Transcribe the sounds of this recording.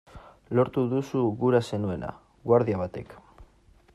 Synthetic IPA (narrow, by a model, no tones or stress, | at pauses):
lo̞ɾt̪uðusuɣuɾase̞nue̞na̰ | ɡwaɾðiaβ̞at̪e̞k